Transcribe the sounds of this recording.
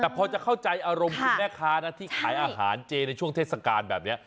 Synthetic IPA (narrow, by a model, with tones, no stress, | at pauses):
t̪ɛː˨˩pʰɔː˧t͡ɕa˨˩kʰa˥˩wt͡ɕa˧jʔaː˧ɾo˧mkʰːmɛː˥˩kʰaː˦˥na˦˥t̪ʰiː˥˩kʰaː˩˦jʔaː˧ɦaː˩˦nt͡ɕeː˧na˧jt͡ɕʰu˥˩əŋt̪ʰeː˥˩sa˧kaː˧nbɛː˨˩p̚ni˦˥ɐ